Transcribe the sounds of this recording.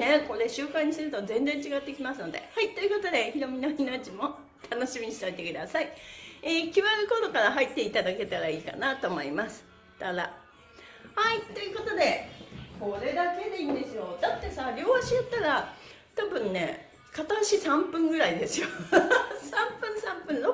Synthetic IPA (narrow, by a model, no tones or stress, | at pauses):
ne̞ko̞ɾe̞ɕɨːkãɲ̟ːist̪eɾɯ̟t̪ozẽ̞nd͡zẽ̞ɲ̟t͡ɕiɡat̪ːe̞kʲimasɨno̞d̪e̞̰hait̪ːo̞jɯ̟ko̞t̪o̞d̪e̞çiɾo̞mʲinainat͡ɕimo̞ | t̪ʰano̞ɕimʲiɲiɕi̥t̪ait̪e̞kɯ̟d̪asaieːkʲiβaɾɯ̟ko̞t̪o̞kaɾaɦait̪ːe̞it̪ad̪ake̞t̪aɾaiːka̰nat̪o̞mo̞imasɨ̥ | t̪ad̪a̰ | hait̪ːo̞jɯ̟ko̞t̪o̞d̪e̞kʰo̞ɾe̞d̪ake̞d̪e̞iːnd̪e̞sɨjo̞d̪at̪ːe̞saɾʲo̞ːaɕijot̪ːaɾa | t̪abɯ̟̃nne̞ | kat̪aɕisãmpɯ̟̃ŋɡɯ̟ɾaid̪e̞sɨjo | sãmpɯ̟̃ɰ̃sãmpɯ̟̃no